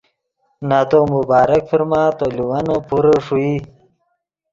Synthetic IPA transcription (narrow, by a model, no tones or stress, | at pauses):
nat̪omubaːɾɐkfiɾmãːt̪oluwanopuɾoʂui